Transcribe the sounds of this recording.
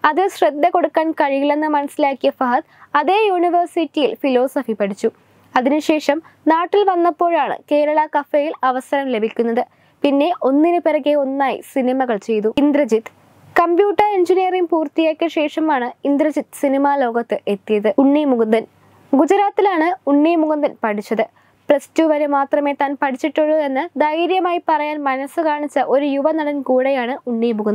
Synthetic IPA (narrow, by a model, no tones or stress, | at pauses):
ɐðɨɕred̪ːɐko̞ɽukːaːnkɐɻiɣiɭe̞nːɨmɐnɐsːilaːkːijɐfɐɦɐt̪ɐðe̞ːjuːniʋɐrsitːijilfilo̞ːsɐfipɐɽit͡ɕːu | ɐðinɨɕe̞ːʂɐm | naːʈːilʋɐnːɐpːo̞ːɻaːɳɨ̰ke̞ːɾɐɭɐkɐfejilɐʋɐsɐɾɐmle̞bʱikʲːunːɐðɨ | pinːe̞ʔo̞nːinɨpeɾɐɣeo̞nːaːjḭsinimɐɣɐɭt͡ɕe̞jt̪uind̪ɾɐd͡ʑit̪ː | kɐmbjuːʈːɐreɲd͡ʑinijɐrimpuːrt̪ijeːkʲːɐɕe̞ːʂɐmaːɳɨind̪ɾɐd͡ʑit̪sinimaːlo̞ːɣɐt̪ːɨʔe̞t̪ːijɐðɨuɳːimuɣund̪ɐn | ɡud͡ʑɐɾaːt̪ːilaːɳɨuɳːijmuɣɐnd̪ɐnpɐʈʰit͡ɕːɐðɨ | prɐstuʋɐɾumaːt̪rɐme̞ːt̪aːnpɐʈʰit͡ɕːiʈːuɭːɐðe̞nːɨd̪ɐjɾjɐmaːjipɐrɐjaːnmɐnɐsɨkaːɳit͡ɕːɐʔo̞ɾujuʋɐnɐɽɐnkuːɽejaːɳɨuɳːijmuɣɐn